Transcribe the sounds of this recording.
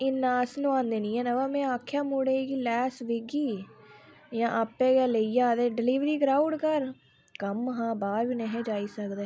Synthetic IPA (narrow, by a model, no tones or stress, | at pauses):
ɪnːaːsnũːãːnd̪eːnĩːɛ̃ːnaʋaːmɛ̃ːaːkʰːjaːmuɽeːiːɡiːlɛːsʋɪɡiː | jãːʔapːeːɡɛːləiːd͡ʒaːd̪eːɖɪliːʋɾiːɡɾaːʊ̃ɳɖkəɾ | kəmɦãːbaːɾʋiːnɛɦẽːd͡ʒaːiːsəkd̪eː